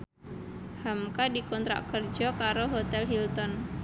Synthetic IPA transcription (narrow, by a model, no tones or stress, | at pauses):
hamkadikɔnt̪ɾa̰kərd͡ʒɔkaɾoɦot̪ɛlɦilt̪ɔn